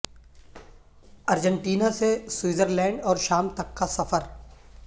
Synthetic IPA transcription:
ɐɾd͡ʒə̃ɳʈiːnaseswiːzəɾlɛ̃ːɳɖɔːɾʃaːmt̪ɐkːasɐfəɾ

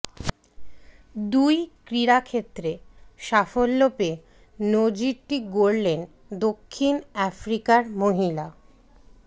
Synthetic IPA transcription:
d̪ujkɾiɾakʰet̪ːɾeʃafolːope | nod͡ʑiɾʈiɡoɾlen | d̪okʰːinɛfɾikaɾmoɦila

